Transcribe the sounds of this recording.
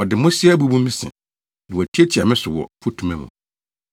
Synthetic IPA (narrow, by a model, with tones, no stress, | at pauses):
ɔ˨dɪ˨mʊ̃˦si˦ɛ˦bu˦bũ˦mː˦ĩ˦sɪ̰̃˨ | nɪ̃˨wɔ˨æ˨tʰi˦e˦tʰi˨a˨mɪ̃˦sʊ˨wɔ̰˨fʰu˦tʰũ˦mɛ̃˦mʊ̰̃˨